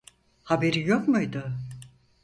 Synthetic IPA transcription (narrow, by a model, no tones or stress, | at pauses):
habe̞ɾijokmujd̪ʊ